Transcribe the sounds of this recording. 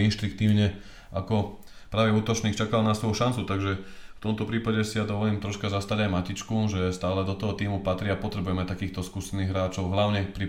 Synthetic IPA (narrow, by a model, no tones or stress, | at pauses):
inʃt̪ɾik̚t̪iːʊɲɛ | akɔ | pɾaːʋɛuːt̪ɔt͡ʃniːkt͡ʃakalnasʋɔjuʃant͡sut̪aɡʒɛft̪ɔmt̪ɔpɾiːpaɟɛsijad̪ɔʋɔliːmt̪ɾɔʃkazast̪aɟajmacit͡ʃkuʒɛst̪aːlɛd̪ɔt̪ɔɦɔt̪iːmupat̪ɾiapɔt̪ɾɛbujɛmɛt̪akiːxt̪ɔskuːsɛniːɣɦɾaːt͡ʃɔʊɦlaʊɲɛpɾi